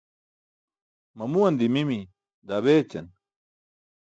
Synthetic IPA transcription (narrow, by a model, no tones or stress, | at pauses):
mɐmuwɐnd̪imimi | d̪ɐβeːt͡ɕɐ̰n